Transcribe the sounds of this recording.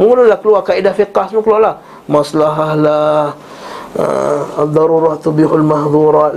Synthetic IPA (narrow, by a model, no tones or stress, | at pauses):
munulakəluakaidafiqasmukəlalah | maslaɦahlah | ə̰ad̪ˤːɑɾuɾat̪ubihalmahdˤuɾɑːt̪